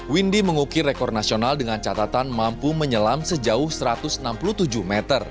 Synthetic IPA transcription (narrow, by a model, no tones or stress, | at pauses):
windiməŋukiɾekɔr̚nasionaldəŋant͡ʃat̪at̪anmampuməɲəlamsəd͡ʒaʊhsəɾat̪ʊsənampulut̪ud͡ʒuhmɛt̪ər